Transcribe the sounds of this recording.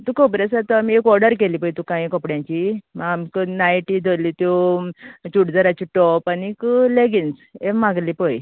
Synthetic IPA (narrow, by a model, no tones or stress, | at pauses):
t̪ukəpɽesat̪əamiekɔɾɖəɾkelipəjt̪ukãĩkəpɽjãɲt͡ɕimamkənajʈid̪ʱəlit̪jo | t͡ɕuʈd͡zəɾat͡ɕiʈɔpanikəleɡinsemãɡlipəj